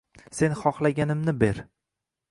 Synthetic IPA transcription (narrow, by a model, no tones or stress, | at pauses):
se̞nχɒχlˠaɡʲanɪmnɪbe̞ɾ